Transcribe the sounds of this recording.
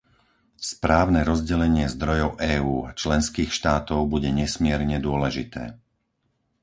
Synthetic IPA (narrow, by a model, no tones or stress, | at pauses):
spɾaːʊnɛɾɔzɟɛlɛɲɪɛzd̪ɾɔjɔʊʔɛːuːa̰t͡ʃlɛnskiːxʃt̪aːt̪ɔʊbuɟɛɲɛsmɪɛɾɲɛd̪ʊɔlɛʒit̪ɛ̰ː